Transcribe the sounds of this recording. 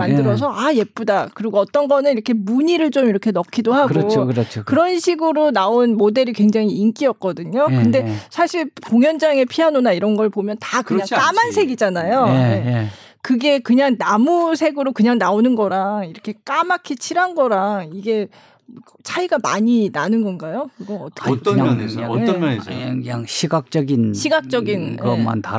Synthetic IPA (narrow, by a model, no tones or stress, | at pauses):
mandɯɾʌs̬ʰʌʔaje̞p͈udakɯɾiɡoʌt͈ʌnɡʌnɯniɾʌkʰe̞muɲiɾɯɭt͡ɕ͈omiɾʌkʰe̞nʌkʰidoɦaɡoɾt͡ɕʰokɯɾʌnɕʰiɡɯɾonaonmode̞ɾikwe̞ŋd͡ʑaŋiːnk͈iʌk̚k͈ʌdɯɲokɯnde̞sʰaɕʰiɭpoŋjʌnd͡ʑaŋe̞pʰianonaiɾʌnɡʌɭpomjʌntakɯɲaŋamansʰe̞ɡid͡ʑanajoje | kɯɡe̞kɯɲaŋnamusʰe̞ɡɯɾokɯɲaŋnaonɯnɡʌɾaiɾʌkʰe̞k͈amakʰet͡ɕʰiɾɦanɡʌɾaiɡe̞ | t͡ɕʰaiɡama̰ɲinanɯnɡʌnɡajokɯɡʌʌt͈ʰʌ̥neaneɯɯɲaŋɕʰiɡak̚t͡ɕ͈ʌɡinɕʰiɡak̚t͡ɕ͈ʌɡinkɯʌmma̰nta